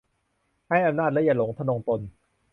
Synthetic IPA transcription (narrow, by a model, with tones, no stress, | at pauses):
ha˥˩jʔa˧mnaː˥˩lɛ˦˥ja˧˩lo˩˦ŋt̪ʰa˧no˧ŋt̪o˧n